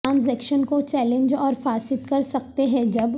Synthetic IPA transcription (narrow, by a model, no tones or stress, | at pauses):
ãːns̬ɛːkʃənkot͡ʃɛːlɪ̃nd͡ʒɔːɾfaːsɪt̪kɐɾsɐk̚t̪eɦɛ̃d͡ʒɐb